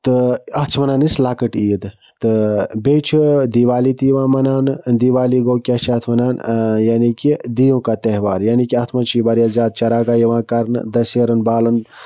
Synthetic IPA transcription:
t̪ɨɐɦt͡ʃʰmɐnaːnislaːkəʈiːd̪ | t̪ɨbeːt͡ʃʰid̪iːʋaːlit̪ijʋãːmɐnaːnd̪iːʋaːliɡoːkʲiɐt͡ʃʰɐt̪ʰmɐnaːnjaːnikid̪ijõːkat̪eɦʋaːɾjaːnikiɐt̪ʰmɐnt͡ʃʰibɐɾjaːzjaːd̪̚t͡ʃɐɾaːɡaːjiʋãːkɐɾnɨ̰d̪ɐsjeɾɐnbaːlɐn

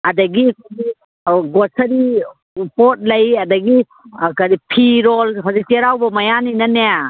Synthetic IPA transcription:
adɐɡikadi | ɡɔsɐɾi | pɔt̚lɐjɐdɐɡi | kadipʰiɾɔlɦɔziteɾawbɐmɐjaninɐnea

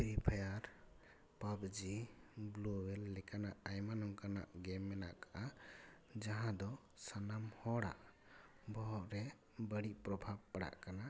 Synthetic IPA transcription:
pʰiɾipʰajaɾ | pabd͡ʒibluwɛlːɛkanaʔajmanɔŋkana̰ʔɡɛmːɛna̰ʔkaʔa | d͡ʒaɦãd̪ɔ | sanamhɔɽa̰ʔ | bɔɾɛ | bəɽiʔpɾɔbʱab̚paɽa̰ʔkana

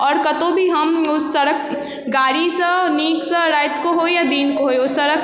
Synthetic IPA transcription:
ɔːɾkɐt̪õbʱiɦɐmʊsːɐɽək̚ | ɡaːɽisəniːksəɾaːɪt̪koɦoːejad̪iːnkoɦoːeʊsːɐɾək

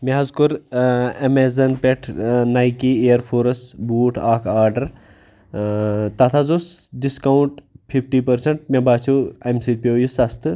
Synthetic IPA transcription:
meɦɐzkuɾɐmezɐnpeʈʰnajkieːɾfʰoːɾɐsbuːʈʰaːkʰaːɾɖɐɾ | t̪ɐt̪ʰazosɖiskawuɳʈpʰifʰʈiːpɐɾsɐɳʈ̚mẽbaːt͡ʃʰoɐmsid̪̚pʲejusɐst̪ɨ

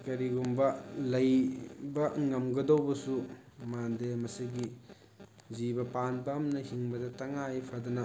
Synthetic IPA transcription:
kɐɾiɡumbɐlɐjbɐŋɐmɡɐdowbɐsumandemɐsiɡi | zibɐpanbamnɐhiŋbɐdɐtɐŋajpʰɐdɐnɐ

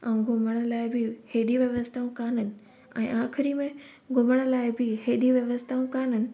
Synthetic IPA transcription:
ɛ̃ːɡʱʊməɽ̃ə̆laːɪbɪheːɗiʋjɐʋəst̪ʰaːũkaːnənɪ̆ | ɛ̰̃ːʔãːxɪɾimẽ | ɡʱʊməɽ̃ə̆laːɪbɪɦeːɗiʋjɐʋəst̪ʰaːũkaːn̤ənɪ̆

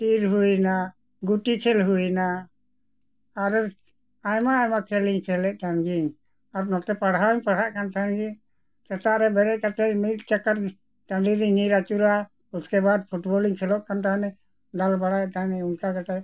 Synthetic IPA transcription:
ʈiɾɦuina | ɡuʈikʰɛlɦuina | ɾ | ajmaːjmakʰɛliɲkʰɛlɛʔ̚kʰanɡiɲ | aɾnɔt̪ɛpaɽaɲpaɽɦaʔkant̪ʰanɡiɲ | t͡ʃɛt̪aʔɾɛbɛɾɛʔkat̪ɛmit̪t͡ʃakaɾ | taɳɖiɾiniɾat͡ʃuɾa | ut̪kɛbad̪̚pʰuʈbɔliŋkʰɛlɔʔkant̪aɦanɛ | d̪albaɽajt̪anɛunkaɡaʈɛ

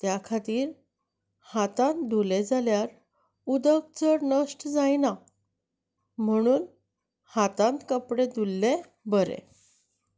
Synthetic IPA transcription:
t̪jakʰat̪iːɾ | hat̪ãnt̪d̪ʱuled͡zaljaɾ | ud̪əɡ̚t͡səɾnəsʈd͡zajna | m̤əɽ̃uːn | hat̪ãnt̪kəpɽed̪ʱulːẽ | bəɾḛ̃

